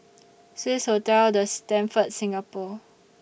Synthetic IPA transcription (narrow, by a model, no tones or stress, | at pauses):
swishotɛldəstɛ̃nfət̚sĩŋapɔ